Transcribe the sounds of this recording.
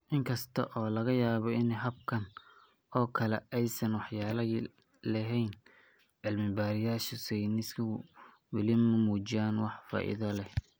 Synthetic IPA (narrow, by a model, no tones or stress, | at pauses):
ʔɪŋkʰɐst̪ʰɐʔɔːlɐɣɐjaːβɔɪnɛɦɐb̚kʰɐn | ʔɔːkʰɐlɛ̰ʔɛjsɐnwɑħjaːlɐ | lɐɦɛjn | ʕɪlmɪmbaːɾɪjaːʃʊsɛjnɪskʰɐ | wɪlɪmɐmuːt͡ʃɪjaːnwɑħfa̰ːʔɪ̰ðɐlɛh